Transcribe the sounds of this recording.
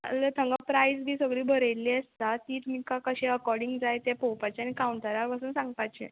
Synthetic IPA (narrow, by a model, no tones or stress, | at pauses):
lət̪ʰəŋɡapɾaisbiːsəɡɽiːbʱəɾejliːəst̪at̪iːt̪um̤ikakəɕeəkɔɾɖiŋɡd͡zajt̪epowpat͡ɕaañikauɳʈəɾaɾpasuːnsãŋɡpajt͡ɕḛ